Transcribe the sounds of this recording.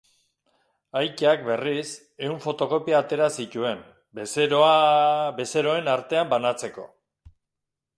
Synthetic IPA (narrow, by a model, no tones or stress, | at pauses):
ajc̪eakbe̞ris | e̞uɱfo̞t̪o̞ko̞piaːt̪e̞ɾasit̪ue̞m | bes | be̞se̞ɾo̞e̞naɾt̪e̞ambanat͡se̞ko̞